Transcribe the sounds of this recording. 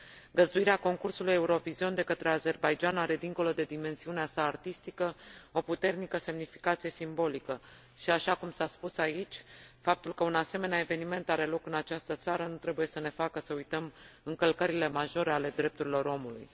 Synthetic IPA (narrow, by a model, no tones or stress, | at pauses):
ɡəzd̪uiɾeako̞ŋkursuluje̞uɾo̞vizio̞nd̪e̞kət̪ɾe̞aze̞rbajd͡ʒanaɾe̞d̪iŋko̞lo̞d̪e̞d̪ime̞nsiuneasaːrt̪ist̪ikəo̞put̪e̞rnikəse̞mnifi̥kat̪sije̞simbo̞likə | ʃiaʃakumsaspusait͡ʃʲfap̚t̪ulkəunase̞me̞neae̞ve̞nime̞nt̪aɾe̞lo̞kɨnat͡ʃast̪ət̪saɾənut̪ɾe̞buje̞səne̞fakəsəujt̪əmɨŋkəlkəɾile̞maʒo̞ɾeale̞d̪ɾe̞p̚t̪uɾilo̞ɾo̞mulṵj